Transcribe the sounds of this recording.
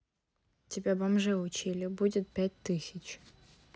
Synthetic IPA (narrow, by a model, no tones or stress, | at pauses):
tʲɪbʲabɐmʐɛʊt͡ɕilʲɪbudʲɪt̪̚pʲæt̚ʲt̪ɨsʲɪt͡ɕ